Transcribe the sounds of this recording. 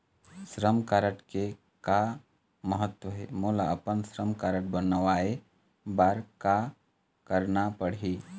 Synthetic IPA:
sɾəmkaːɾəʈke | ka | məɦət̪wəɦɛ̰muːlaɐpənsɾəmkaːɾəʈbənəʋaːe | baːɾka | kəɾnapəɽ̤iː

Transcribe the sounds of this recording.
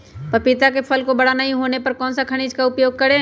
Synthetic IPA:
pɐpɪt̪ak̬epʰɐlkobɐɽanɐɦĩɦoːnepɐɾkɔːnsakʰɐɽ̃iːd͡ʒkaʊpjoːɡ̚kɐɾe

